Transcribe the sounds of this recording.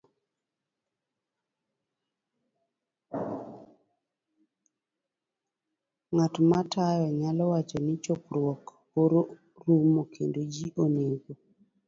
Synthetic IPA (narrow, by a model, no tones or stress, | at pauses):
ŋatmatajɔɲalɔwat͡ʃɔnit͡ʃokɾwɔk | hoɾo | ɾumokʰendod͡ʒiʔoneɡo